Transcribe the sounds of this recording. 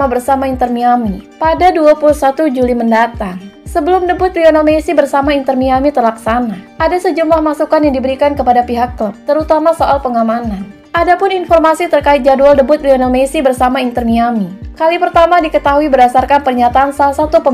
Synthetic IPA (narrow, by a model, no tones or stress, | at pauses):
abərsamaint̪ərmiamipadaduapulusat̪ud͡ʒuliməndat̪aŋsəbəlʊmdəbʊt̪lionalmesibərsamaint̪ərmiamit̪ərlaksanaʔadasəd͡ʒumlahmasukanjaŋdibəɾikankəpadapiɦakːlup̚t̪əɾut̪amasoʔalpəŋamanan | ʔadapʊninfɔrmasit̪ərkaɪt̪̚d͡ʒadualdəbʊt̪lionalmesibərsamaint̪ərmiamikalipərt̪amadikət̪aɦuibərdasarkanpərɲat̪aːnsalahsat̪upə